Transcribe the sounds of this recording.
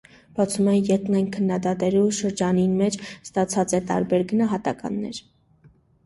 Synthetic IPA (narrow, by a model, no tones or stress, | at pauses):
b̥ɑt͡sʰumɛjɛt̪nɑjnkʰənːɑd̪ɑt̪ɛluʃəɾd͡ʒɑninmɛt͡ʃʰst̪ɑt͡sʰɑt͡sɛt̪ɑ̰ɾbɛɾɡənɑɦɑt̪ɑkɑ̰nːɛɾ